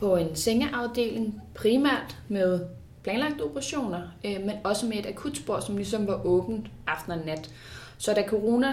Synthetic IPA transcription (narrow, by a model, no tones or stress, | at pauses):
pʰɒ̽e̝nseŋəʔɑ̈ʊd̥e̝̰ːleŋpʰʁiːmæ̰ɐ̰d̥með̞ˠ | pʰlɛnlɑ̈ɡ̥̚d̥əo̝b̥ʰɐʁɑ̈ɕo̝̰ːnɐmenɒ̽səmee̝d̥ækʰud̥sb̥o̝ɐ̰sɒ̽mlis̬ɒ̽mʋɑ̈ʔɔ̽ːb̥n̩ɑ̈fd̥nænːæd̥ | sɒ̽d̥ækʰo̝ʁo̝næ